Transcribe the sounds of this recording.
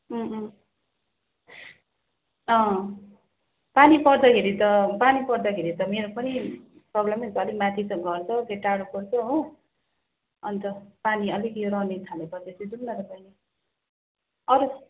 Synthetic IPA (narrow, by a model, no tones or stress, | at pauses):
ɦ | ʌ̃ | panipʌrd̪ʌkʰeɾit̪ʌpanipʌrd̪ʌkʰeɾit̪ʌmeɾopʌni | prʌblemʌt͡sʌlimat̪ʰit͡sʌ̃ɡʌrt͡sʰʌkeʈːaɽopʌrt͡sʰʌɦo | ʌnt̪ʌpaniʌlikjoɾʌnet̪ʰanepʌt͡sʰet͡sʰid͡zunːʌɾʌpajni | ʌɾʌ